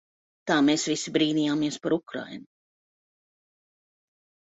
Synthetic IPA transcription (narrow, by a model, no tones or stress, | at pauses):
t̪aːmeːsvisibɾiːnijaːmiɛspaɾukɾa̰jnu